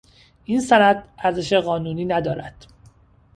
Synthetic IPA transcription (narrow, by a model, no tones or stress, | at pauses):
ʔiːnsænæd̪æɾze̞ʃeɣɒːnuːniːnæd̪ɒːɾæd̪̥